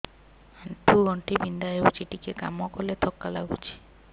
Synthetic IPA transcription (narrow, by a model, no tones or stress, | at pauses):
aɳʈʰuɔɳʈibind̪aɦeut͡ʃiʈikeka̰mɔkɔlet̪ʰɔkːala̰ɡut͡ʃʰi̥